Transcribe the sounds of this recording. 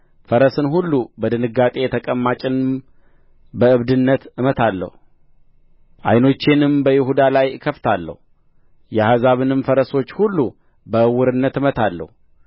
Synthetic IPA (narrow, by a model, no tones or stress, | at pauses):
fəɾəsɨnɦulːubəd̪ɨnɨɡːat̪ʼe̞jɛt̪ʰəkʼəmːat͡ʃʼɪnɨm | bəɨβd̪ɨnːət̪ɨmət̪ʰalːə̰hu | ʔa̰jno̞t͡ʃːenɨmbəjɪɦud̪alajkʰəft̪ʰalːə̰hu | jɛhazaβɨnɨmfəɾəso̞t͡ʃːhulːu | bəɨwːɨɾɨnːət̪ɨmət̪ʰalːə̰hu